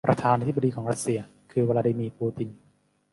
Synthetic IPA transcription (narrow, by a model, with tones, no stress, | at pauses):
pɾa˧t̪ʰaː˧naː˧t̪̚ʰba˧diː˧kʰɔː˩˦ɾa˧˥t̪̚si˧ɐ | kʰɯː˧waː˧laː˧diː˧miː˧puː˧t̪i˧n